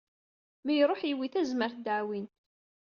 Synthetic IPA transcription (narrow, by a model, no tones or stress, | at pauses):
mijɾˤoħjiwiθæzməɾθd̪ʕwint̪